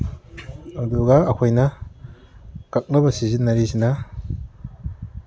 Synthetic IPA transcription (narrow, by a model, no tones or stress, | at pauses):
ɐduɡɐːkʰojnɐ | kak̚nɐbɐsizinːɐɾisinɐ